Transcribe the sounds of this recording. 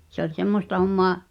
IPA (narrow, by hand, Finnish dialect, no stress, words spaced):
se olʲ semːostɑ homːoɑ